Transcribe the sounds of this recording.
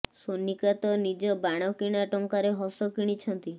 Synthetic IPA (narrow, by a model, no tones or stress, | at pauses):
sonikat̪ɔnid͡ʒɔbaɽ̃ɔkiɽ̃aʈɔŋkaɾeɦɔsɔkiɽ̃it͡ʃʰɔnt̪i